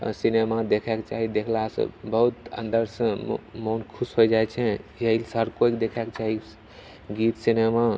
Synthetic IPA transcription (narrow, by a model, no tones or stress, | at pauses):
sinemad̪ekʰɛkt͡ʃaɦid̪ekʰlasə̰̃bəɦut̪ə̰̃nd̪əɾsə̃monkʰusɦod͡ʒaɛt͡ʃʰɛ̃jəilsɦɾkoikd̪ekʰɛkt͡ʃaɦi | ɡit̪sinema